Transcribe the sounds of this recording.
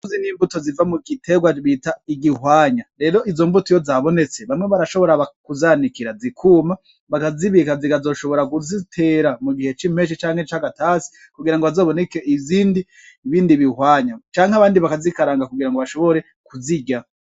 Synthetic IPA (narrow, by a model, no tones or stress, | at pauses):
uziniːmbutozivamuɡitʰe̞ɡwaβitaiɡihwaːɲaɾe̞ːɾo̞izo̞mbutujozaβo̞ne̞t͡se̞βamŋe̞βaɾaʃo̞βo̞ɾaβakuzaːnikiɾazikʰuːma | βakaziβikazikazo̞ʃo̞βo̞ɾakuzitʰe̞ɾamuɡihe̞t͡ʃim̥e̞ʃ̬it͡ʃaːŋhe̞t͡ʃaɡatasi̥ | kuɡiɾaŋɡoβazo̞ːβonekeʔiziːndiː | βiːndiβihwaːɲat͡ʃaːŋhaβaːndiβakazikaɾaːŋɡakuɡiɾaŋɡoβaʃo̞βo̞ɾe̞ | kuziɟa